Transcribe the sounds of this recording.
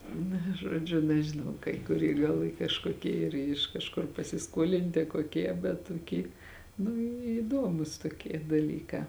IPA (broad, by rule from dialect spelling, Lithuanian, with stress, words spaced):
ˈnɐ ˈʒoːd͡ʒʲʊ nʲɛʒʲɪˈnɐʊ kɐɪ kʊˈrʲiɛ ɡɐlˠ ˈiː kɐʃkoːˈkʲiɛ ˈiːr ɪʃ kɐʃˈkʊr pɐsʲɪˈskuɔlʲɪnʲtʲɪ koːˈkʲiɛ bʲɛt tʊˈkʲiː nʊ iːˈdoːmʊs toːˈkʲiɛ dɐˈlʲiːkɑː